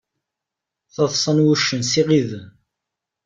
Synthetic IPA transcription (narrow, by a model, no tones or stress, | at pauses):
θəðˤsˤənwuʃːənsiʁið